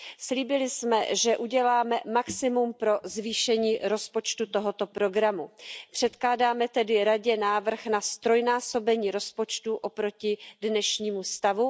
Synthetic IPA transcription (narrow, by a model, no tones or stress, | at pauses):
sliːbɪlɪsmɛ̰ʒɛʔuɟɛlaːmɛmaksɪmumpɾo̞zviːʃɛɲiːɾo̞spo̞t͡ʃt̪ut̪o̞ɦo̞t̪o̞pɾo̞ɡɾamupr̝̥ɛt̪klaːdaːmɛt̪ɛdɪɾaɟɛnaːvr̩xnast̪ɾo̞jnaːso̞bɛɲiːɾo̞spo̞t͡ʃt̪uʔo̞pɾo̞cɪdnɛʃɲiːmust̪avu